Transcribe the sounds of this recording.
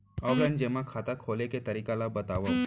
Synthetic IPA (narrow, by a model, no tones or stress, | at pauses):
ɔːɡɛnd͡ʒemakʰaːt̪akʰoːleket̪ɐɾiːkalabɐt̪aːʋa